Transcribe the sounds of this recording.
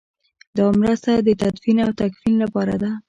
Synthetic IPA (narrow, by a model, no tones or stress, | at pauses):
d̪ɑmɾəst̪ad̪ət̪ad̪finawt̪akfinlapɑɾa̰d̪a